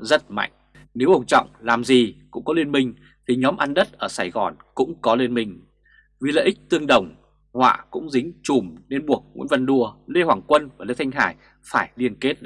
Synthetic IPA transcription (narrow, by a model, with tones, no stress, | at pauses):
zə˦˥t̚ma̰˧˨jŋ̟ | ne˨˦wʔə˨˧˩ŋ͡mt͡ɕɔ̰˧˨wŋ͡mlaː˨˩mzi˨˩kʊ̰˧˥ŋ͡mkɔ˨˦li˧ənmï˧ŋ̟ | t̪ʰi˨˩ɲɔ˨˦mʔa˧nɗə˦˥t̚ʔəː˧˩saː˧˩jɣɔ˨˩nkʊ̰˧˥ŋ͡mkɔ˨˦le˧nmï˧ŋ̟ | vi˨˩˨lə̰ː˧˨ʔi˦˥k̟̚t̪ɨ˧əŋɗə˨˩wŋ͡m | hwa̰ː˧˨kʊ̰˧˥ŋ͡mzï˨˦ŋ̟t͡ɕu˨˧˩mne˧nɓu˨˩ək̚ŋṵ˧˥nvə˨˩nɗu˧˩əle˧hwaː˨˩ŋkwə˧nva˨˩le˧t̪ʰa˧ŋ̟ɦa̰ː˧˩j | faː˧˩jli˧ənke˦˥t̚